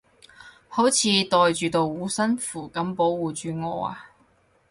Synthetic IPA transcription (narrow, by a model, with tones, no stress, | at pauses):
ho˨˥wt͡sʰiː˨˧t̪ɔː˨jt͡ʃyː˨˧t̪o˨˧wwuː˨˧˥sɐ˥nfuː˨˩kɐ˨˥mpo˨˥wwuː˨t͡ʃyː˨˧ŋɔː˨˧a̰ː˧